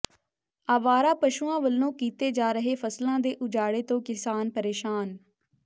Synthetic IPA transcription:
aːʋaːɾaːpəʃuãːʋəlːõːkiːt̪eːd͡ʒaːɾəɦeːfʰəslãːd̪eːʔʊd͡ʒaːɽeːt̪õːkɪsaːnpəɾeːʃaːn

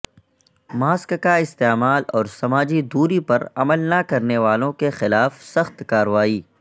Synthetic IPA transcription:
maːskkaɪst̪eːmaːlɔːɾsɐmaːd͡ʒid̪uːɾipɐɾɐməlnakɐɾneʋaːlõkexɪlaːfsɐxt̪kaːɾʋaːiː

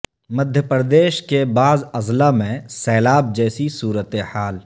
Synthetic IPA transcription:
məd̪ʱjəpɾəd̪eːʃkebaːzɐzlamẽsɛːlaːb̚d͡ʒɛːsisuːɾət̪ehaːl

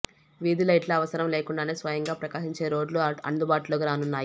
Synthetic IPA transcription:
ʋiːd̪ilɐjʈlɐɐʋɐsɐɾɐmleːkuɳɖaːneːsʋɐjɐŋɡaːpɾɐkaːʃiɲt͡ʃe̞ːɾo̞ːɖluɐ̰nd̪ubaːʈuloːɡiɾaːnunːaːji

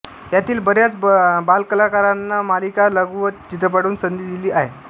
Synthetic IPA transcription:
t̪jat̪iːlbəɽjat͡sbalkəlakaɾanːamalikaləɡuʋət̪t͡ɕit̪̬ɾəpaɽuːnsənd̪iːd̪iliːʔaɦe

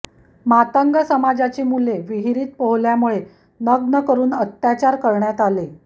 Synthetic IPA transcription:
mat̪əŋɡəsəmad͡zat͡ɕemuleʋiɦiɾiːt̪̚pəɦljamuɭe | nəɡnəkəɾuːnət̪jat͡ɕaɾkəɾɳjat̪ale

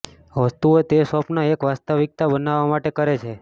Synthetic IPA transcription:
ʋəst̪uot̪esɔpnaekʋast̪aʋik̚t̪abənaʋːamaʈekəɾet͡ʃʰe

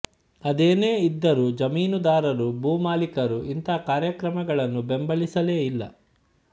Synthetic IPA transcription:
ɐd̪eːne̞ːid̪ːɐɾud͡ʒɐmiːnud̪aːɾɐɾubuːmaːlikɐɾuʔint̪aːkaːɾjɐkɾɐmɐɡɐɭɐnːube̞mbɐɭisɐle̞ːilːɐ̰

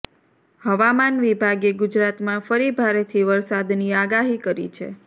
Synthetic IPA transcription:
həʋamanʋibʱaɡeɡud͡ʒɾat̪mãfəɾibʱaɾet̪ʰiʋəɾsad̪niaɡaɦikəɾḭt͡ʃʰḛ

